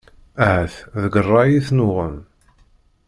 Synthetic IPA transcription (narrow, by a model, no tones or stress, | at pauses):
æhəθðəɡərˤːɑjiθnʊʁəm